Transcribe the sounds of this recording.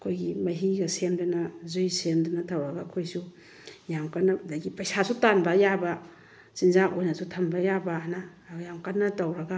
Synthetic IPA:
ɐkʰojɡimɐɦiɡɐsemdɐnɐzujsemdɐnɐtʰɐwɾɐɡakʰojsu | jamkanːɐdaɡipɐjsasutanbɐjabɐ | sinzaʔojnɐsutʰɐmbɐjabɐna | jamkanːɐtɐwɾɐɡa

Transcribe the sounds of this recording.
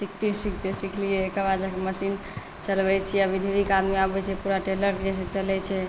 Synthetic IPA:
sikʰt̪isik̚ʰt̪esikʰlijɛkəbad͡ʒakeməsin | t͡ʃəlbɛt͡ʃʰɛəbʱid̪ʱeɾikad̪meabɛt͡ʃʰɛpuɾaʈeləɾd͡ʒɛsẽt͡ʃəlɛt͡ʃʰɛ

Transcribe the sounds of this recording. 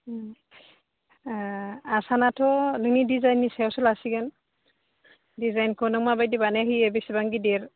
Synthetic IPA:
asanatʰɔlɯŋidizajnːisaɔsɔlasiɡan | dizajnkʰɔnɔŋmabajdibanɛɦiɛbesibaŋɡideɹ

